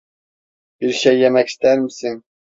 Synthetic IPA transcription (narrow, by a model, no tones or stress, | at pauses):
b̥iɾʃɛjːɛmɛkʲi̥st̪æɾmɪsɪŋ